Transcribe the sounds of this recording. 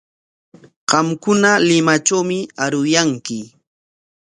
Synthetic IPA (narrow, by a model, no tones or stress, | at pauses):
ɢ̥ɑmkʊnalɪmat͡ʃawmɪaɾʊjaŋkɪ